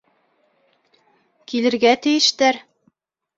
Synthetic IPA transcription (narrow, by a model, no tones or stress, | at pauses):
kilɘ̆ɾɡæt̪ɘ̆jɘ̆ʃt̪æɾ